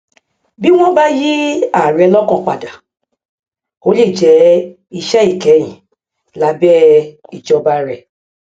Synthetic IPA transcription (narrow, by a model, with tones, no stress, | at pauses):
bi˦w̃ɔ̃˦ba˦ji˦a˦˨ɾɛ˧lɔ˦kɔ̃˧k͡pa˨da˨ | o˦le˦˨d͡ʒɛ˨˦ | i˧ʃɛ˦i˦˨kɛ˨˦j̃ĩ˨ | la˧˦bɛ˦i˨d͡ʒɔ˧ba˦ɾɛ˧